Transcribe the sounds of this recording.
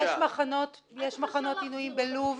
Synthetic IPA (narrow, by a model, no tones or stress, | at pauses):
ʃmaχano̞t | jeʃmaχano̞t̪inujimbeluv